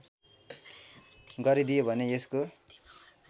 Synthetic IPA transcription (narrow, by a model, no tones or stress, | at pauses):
ɡʌɾid̪ijobʱʌneesko